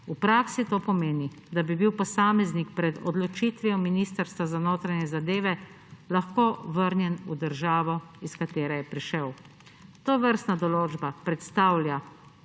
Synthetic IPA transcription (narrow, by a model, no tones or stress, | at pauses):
upɾaːksit̪oːpɔmeːni | d̪abibiwpɔsaːmɛznikpɾɛd̪ɔ̰d̪lɔt͡ʃiːt̪ʋiɔminist̪əɾst̪ʋazanoːt̪ɾanɛzad̪eːʋɛ | laxkoːʋəɾnjɛnud̪əɾʒaːʋɔiskat̪eːɾɛjɛpɾiʃəw | t̪oːʋəɾst̪nad̪ɔloːd͡ʒbapɾɛt̪st̪awlʲja